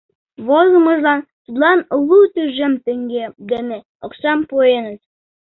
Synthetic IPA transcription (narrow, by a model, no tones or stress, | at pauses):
βozəmɤ̆ʒlɑnt̪ut̪lɑnlut̪yʒĕmt̪ɘ̆ŋɡeɡə̆ne | oksɑmpojenət̪